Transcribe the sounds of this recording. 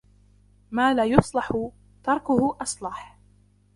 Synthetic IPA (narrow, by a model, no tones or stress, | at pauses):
maːlaːjʊsˤlɑħʊ | t̪ɑɾˤkʊhʊʔɑsˤlɑħ